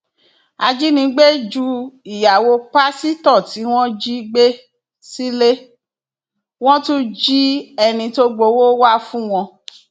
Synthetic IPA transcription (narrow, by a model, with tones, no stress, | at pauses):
a˧d͡ʒi˦nĩ˧˦ɡ͡be˦d͡ʒu˦i˨ja˨wo˧k͡pa˦si˦tɔ˦˨ti˨˦w̃ɔ̃˦d͡ʒi˦ɡ͡be˦ | si˦le˦ | w̃ɔ̃˦tũ˦d͡ʒi˦ɛ˧nĩ˧to˦ɡ͡bo˧˦wo˦wa˦fũ˦w̃ɔ̃˧